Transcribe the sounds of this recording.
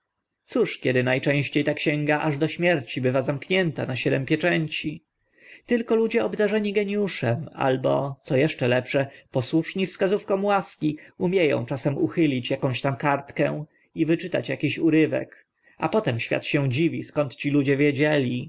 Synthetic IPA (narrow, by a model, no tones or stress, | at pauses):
t̪suʂkʲɛd̪ɘnajt͡ʂɛ̃w̃ɕt͡ɕejt̪akɕɛŋɡaʔaʐd̪ɔɕmʲjɛɾt͡ɕibɘvazamkɲɛnt̪a̰naɕɛd̪ɛmpʲjɛt͡ʂɛɲt͡ɕi | t̪ɘlkɔlud͡ʑɛɔbd̪aʐɛɲiɡɛɲjuʂɛma̰lbɔ̰t̪sɔjɛʂt͡ʂɛlɛpʂɛpɔswuʂɲifskazufkɔmwaskʲiumʲjejɔ̰̃w̃t͡ʂasɛmuxɘlʲit͡ɕjakɔ̃w̃ɕt̪amkaɾt̪kɛ̃w̃ | ivɘt͡ʂɘt̪a̰t͡ɕjakʲiɕuɾɘvɛ̰k | a̰pɔt̪ɛmɕfʲja̰t̪ɕɛ̃d͡ʑivʲiskɔnt̪t͡ɕilud͡ʑɛvʲjɛd͡ʑɛlʲi